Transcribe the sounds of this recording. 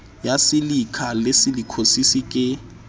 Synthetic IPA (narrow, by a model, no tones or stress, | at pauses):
jasɪlikʰalɪsɪlikʰosisikʼɪ